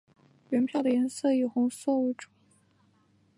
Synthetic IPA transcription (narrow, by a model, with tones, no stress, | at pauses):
ɥɛ˧˥npʰjɑ˥˩ʊd̪ə˩jɛ˧˥nsɤ˥˩ji˨˩xʊ˧˥ŋswɔ˥˧u˧˥˩ʈ͡ʂu̥˨˩˦